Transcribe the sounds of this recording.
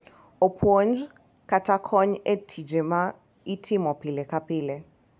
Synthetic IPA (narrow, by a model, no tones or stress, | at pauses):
opʰond͡ʒ | kʰatʰakʰɔɲetʰid͡ʒɛma | itʰimɔpʰilɛkʰapʰiːlɛ